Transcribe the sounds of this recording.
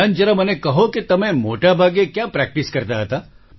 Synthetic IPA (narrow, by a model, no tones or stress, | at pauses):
and͡ʒəɾamənekəɦokit̪əmẽmoʈabʱaɡekjapɾɛk̚ʈiskəɾt̪aɦət̪a